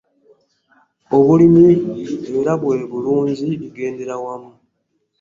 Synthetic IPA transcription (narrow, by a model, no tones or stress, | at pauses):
o̞βulimiβiɾaβwe̞ːβuluːɲɟiβiɡe̞ːnde̞ɾawamu